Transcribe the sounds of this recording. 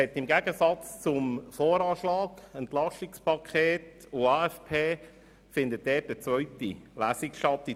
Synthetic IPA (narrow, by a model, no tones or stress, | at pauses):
ɛtːɪmɡæɡ̥əsɑt͡st͡sʊmfoːɾɑːʃlɑːɡɛntlɑʃɪkspʰɑkʰχeːt | ʊɑːɛfpʰeː | fɪnd̪ət̚dɛːtdət͡svœʏtḭlæːsɪkʃtɑtːi